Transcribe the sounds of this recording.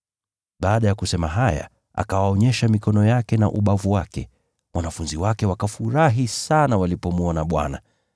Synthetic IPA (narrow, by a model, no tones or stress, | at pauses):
ɓaːɗajakusɛmaɦaja̰ | ʔa̰kawaɔɲɛʃamikɔnɔjakɛna̰ʔuɓavuwakɛ | mwanafunziwakɛwakafuɾaɦisanawalipɔmuɔnaɓwa̰na